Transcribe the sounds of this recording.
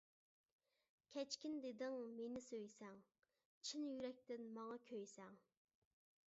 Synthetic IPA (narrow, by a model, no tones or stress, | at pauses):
kʲʰɛt͡ʃkʲind̪ed̪ɪŋmenɪsøjsɛŋ | t͡ʃʰinjyɾɛk̚ʲt̪ɪnmɑŋɑkʲʰøjsɛŋ